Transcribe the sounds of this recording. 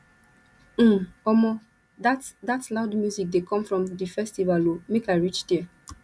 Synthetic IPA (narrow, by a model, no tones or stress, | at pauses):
ɔmɔ | datlaʊdmjuzik̚dekɔ̃mfɹɔ̃mdifɛstivalomekaɪɹit͡ʃdiɛ